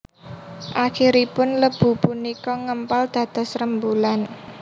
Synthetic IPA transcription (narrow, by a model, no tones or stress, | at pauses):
ʔaxiɾipʊnləb̥ṳpunikɔŋəmpald̪̥ä̤d̪̥a̤srəmbulan